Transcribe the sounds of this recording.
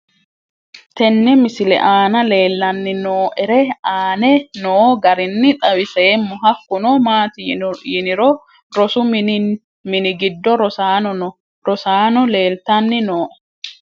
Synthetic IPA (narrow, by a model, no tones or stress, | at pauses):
t̪ɛnːɛmɪsɪlɛ̰ʔaːnɐle̞ːlːɐnːɪnoːʔɛɾɛaːnɛnoːɡɐɾɪnːɪt̪ʼɐwɪseːmːɔɦɐkːʊnɔmaːt̪ɪjɪnɪɾɔ | ɾɔsʊ | mɪnɪɡɪd̪ːɔɾɔsaːɔ | ɾɔsaːnɔle̞ːlt̪ɐnːɪnoːʔɛ̥